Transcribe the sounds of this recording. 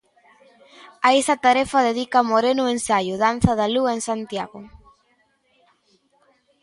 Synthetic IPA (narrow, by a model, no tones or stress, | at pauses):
aesɐt̪aɾefɐðeðikamoɾenʊensajʊðan̟θɐðaluaeŋsant̪jaɣʊ